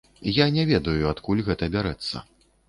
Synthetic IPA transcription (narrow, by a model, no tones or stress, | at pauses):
janʲɛvʲɛd̪ɐjuat̪kulʲɣɛt̪ɐbʲaɾɛt̪sːɐ̰